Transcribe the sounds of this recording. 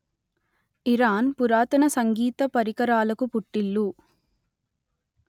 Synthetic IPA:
iɾaːnpuɾaːt̪ɐnɐsɐŋɡiːt̪ɐpɐɾikɐɾaːlɐkupuʈːilːu

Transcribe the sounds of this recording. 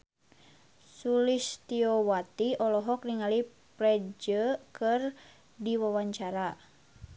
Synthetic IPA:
sulist̪iɔwat̪iɔlɔɦɔk̚niŋali | pɾɛd͡ʒəkɨr | diwawaɲt͡ʃaɾa

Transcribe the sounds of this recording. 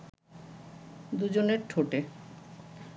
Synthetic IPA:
d̪ud͡ʑoneɾʈʰoʈe

